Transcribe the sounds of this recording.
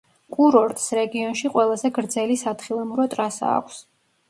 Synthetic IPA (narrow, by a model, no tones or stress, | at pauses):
kʼuɾɔɾt̪ʼsɾɛɡiɔnʃiqʼwɛlˠazɛɡɾd̪zɛlisat̪χilˠamuɾɔt̪ʼɾasa̰ːkʷʰs